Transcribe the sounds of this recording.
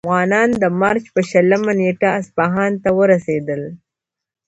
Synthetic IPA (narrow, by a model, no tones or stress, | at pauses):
ɣɑːnɑnd̪əmɑɾt͡ʃpəʃələmaneʈaːspaɦɑnt̪awəɾased̪əl